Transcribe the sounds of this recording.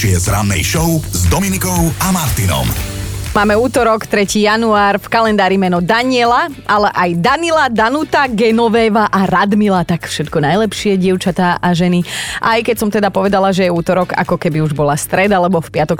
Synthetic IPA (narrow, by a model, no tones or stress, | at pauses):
ɪɛzɾanːɛ̰jʃɔʊzd̪ɔminikɔʊamaɾt̪inɔ̰mmaːmɛuːt̪ɔɾɔkt̪ɾɛciːjanuaːɾfkalɛnd̪aːɾimɛnɔd̪aɲɪɛlaʔalɛʔajd̪anilad̪anut̪aɡɛnɔʋɛːʋaʔaɾad̪milat̪akfʃɛt̪kɔnajlɛpʃɪɛɟɪɛʊt͡ʃat̪aːʔaʒɛniʔajkɛcsɔmt̪ɛd̪apɔʋɛd̪alaʒɛjɛuːt̪ɔɾɔka̰kɔkɛbiuʒbɔlast̪ɾɛd̪alɛbɔfpɪat̪ɔk